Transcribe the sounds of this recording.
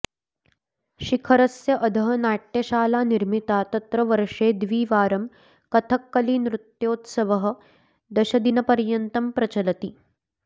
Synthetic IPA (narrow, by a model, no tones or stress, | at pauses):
ʃikʰɐɾɐsjɐʔəd̪ʱəɦənaːʈjɐʃaːlaːniɾmit̪at̪ɐt̪ɾɐʋəɾʂeːd̪ʋiːʋaːɾɐm | kɐt̪ʰɐkːɐliːnɾut̪joːt̪sɐʋəɦə̆ | d̪ɐɕɐd̪inɐpɐɾjɐnt̪ɐmpɾɐt͡ɕɐlɐt̪iː